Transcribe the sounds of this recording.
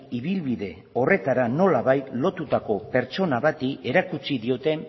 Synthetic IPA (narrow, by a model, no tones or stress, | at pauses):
iβilβiðe̞ | o̞re̞t̪aɾano̞laβajt̪lo̞t̪ut̪ako̞pe̞ɾt͡ʃo̞naβat̪ie̞ɾakut͡siðio̞t̪e̞n